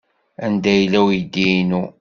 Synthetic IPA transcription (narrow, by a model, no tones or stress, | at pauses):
ænd̪æjlːæwjid̪ːinu